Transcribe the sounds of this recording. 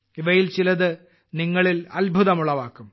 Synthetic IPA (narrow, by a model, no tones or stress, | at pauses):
iʋɐjilt͡ɕilɐðɨ | niŋːɐɭilɐ̰lbʱuðɐmuɭːɐʋaːkːum